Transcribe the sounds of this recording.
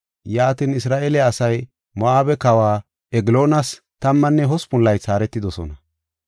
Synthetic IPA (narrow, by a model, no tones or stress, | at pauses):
jaːt̪ɪnɪsɾaːʔeːlɛɐsɐj | mɐʔaːbɛkɐwaː | ɛɡɪlo̞ːnɐs | t̪ɐmːɐnːɛɦɔspʊlːɐjt͡saːɾɛt̪ːɪd̪ɔsɔ̰nɐ